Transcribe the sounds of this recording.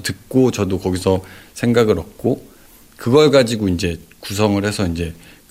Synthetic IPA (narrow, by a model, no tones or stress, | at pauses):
tɯk͈ot͡ɕʌdokʌɡisʰʌsʰe̞ŋɡaɡɯɾʌp̚k͈o | kɯɡʌɭk͈ad͡ʑiɡoind͡ʑe̞kus̬ʰʌŋɯɭhe̞sʰʌind͡ʑe̞